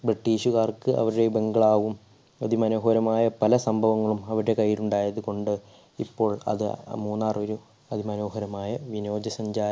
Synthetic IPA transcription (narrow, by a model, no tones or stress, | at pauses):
briʈːiːʂuɣaːrkɨʔɐ̰ʋɐɾuɽe̞be̞ŋɡɐɭaːʋum | ɐðimɐno̞ːɦɐɾɐmaːjɐpɐlɐsɐmbʱɐʋɐŋːɐɭumɐʋiɽe̞kɐjːiluɳɖaːjɐðuko̞ɳɖɨ | ipːo̞ːɭɐ̰ðɨmuːnːaːrʋɐɾu | ɐðimɐno̞ːɦɐɾɐmaːjɐʋino̞ːd͡ʑjɐsɐɲd͡ʑaːɾɐ